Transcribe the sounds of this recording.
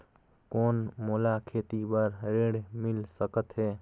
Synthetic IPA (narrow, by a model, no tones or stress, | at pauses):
koːnmolakʰeːt̪ibəɾɾeɽmɪlsəkət̪ɦɛː